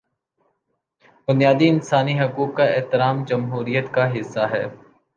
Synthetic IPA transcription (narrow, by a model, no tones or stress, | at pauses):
bʊnijaːd̪iɪnsaːniɦɐkuːkːaɪːt̪ɪɾaːmd͡ʒɐmɦuːɾijət̪kaɦɪsːaɦɛː